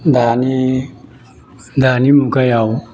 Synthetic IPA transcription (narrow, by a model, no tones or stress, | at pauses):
d̪ani | d̪animukajaw